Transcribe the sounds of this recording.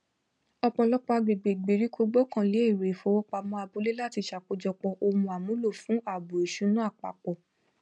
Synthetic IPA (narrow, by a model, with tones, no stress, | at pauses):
ɔ˧k͡pɔ˧lɔ˦k͡pa˦˧ɡ͡be˨ɡ͡be˨ɡ͡be˨ɾi˦ko˧˦ɡ͡bɔ˦kã˦˨le˨˦e˦˨ɾe˨fɔ˨˦wɔ˦k͡pa˧mɔ̃˦a˧bu˨˦le˦la˦˨ti˧ʃa˨k͡po˧d͡ʒɔ˧k͡pɔ˧ʔo˧mũ˧a˨mũ˨˦lo˦˨fũ˨˦a˦˨bu˨e˨ʃũ˨˦nũ˦a˦˨k͡pa̰˨k͡pɔ˨